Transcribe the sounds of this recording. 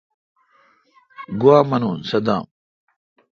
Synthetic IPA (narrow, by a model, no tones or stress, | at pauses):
ɡuwaːmɐnuːnsɐd̪a̰ːm